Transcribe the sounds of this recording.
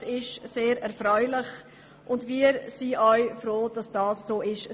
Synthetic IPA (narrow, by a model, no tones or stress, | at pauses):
ɪʃseːɾɛɾfɾœʏlɪχ | ʔʊndviəɾsiʔœʏfɾoːd̥ɑsd̥ɑːsːoːɪʃ